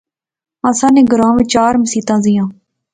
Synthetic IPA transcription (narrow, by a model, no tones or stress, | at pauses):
ãːsãːnẽːɡəɾãːʋẽːt͡ʃaːɾməsiːt̪ãːzɪjãː